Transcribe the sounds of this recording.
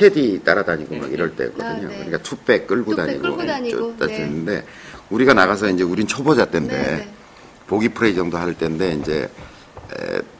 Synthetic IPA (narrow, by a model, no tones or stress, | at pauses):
t͡ɕʰe̞dit͈aɾadaɲiɡoma̰kiɾʌɭt͈e̞̰kʌdɯɲo̰kɯɲik͈atʰup͈e̞k̚k͈ɯɭɡudaɲḭɡoʌ̰t͈aɭs͈ɯinːɯnde̞ | uɾiɡanaɣas̬ʰʌind͡ʑe̞uɾinnt͡ɕʰobʌd͡ʑat̚t͈ende̞ | poɡipʰɯɾe̞id͡ʑʌŋdohaɯɭt͈e̞nde̞ind͡ʑe̞̰